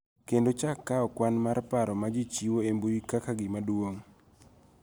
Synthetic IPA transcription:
kendot͡ʃakːaɔkwanmarpaɾɔmad͡ʒit͡ʃiwoemboikakaɡɪmadwoŋ

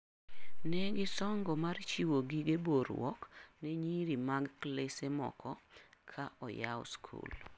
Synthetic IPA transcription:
nɛɡɪsɔŋɡɔmart͡ʃiwoɡiɡeboɾwɔ̰kneɲiɾimaɡklesemɔ̰kʰɔkʰaʔɔja̰wɔ̰skʰṵl

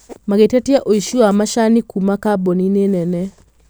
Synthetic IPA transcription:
maɣetatiaʔoiʃuamaʃanikumakabɔninenɛnɛ

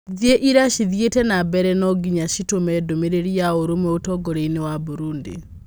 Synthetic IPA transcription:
ðieʔiɾaʃiðjetɛnabɛɾɛnɔɡiɲaʃitomɛdomeɾeɾiaoɾomwɛotɔɡoɾeinewabuɾundḭ

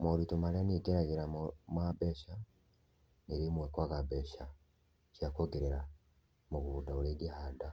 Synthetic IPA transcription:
moɾitumaleniɡeɾaɣeɾamwabeʃa | niɾimwekwaɣabeʃa | t͡ʃakoɡeɾeɾa | muɣudauɾeɡihada

